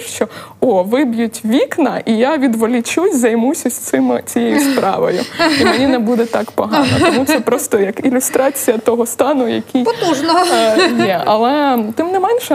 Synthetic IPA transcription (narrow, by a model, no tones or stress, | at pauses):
ʃt͡ʃɔ | ɔʋɪbjutʲʋʲiknɐʔijaʋʲid̪ʋɔlʲit͡ʃujʲzɐjmusʲɐsʲɪmɪ̰t͡sʲijɛjʊspɾɑ̰ʋɔ̰jʊ̰imenʲinɛbud̪ɛt̪ɑkpɔɦɑnɐɔmut̪sɛpɾɔst̪ɔjɐkilʲʊst̪ɾɑt͡sʲijɐt̪ɔɦɔst̪ɑnʊjɐ̰kʲʰijpɔt̪uʒnɐjɛɐlˠɛt̪ɪmnɛmɛnʲʃɛ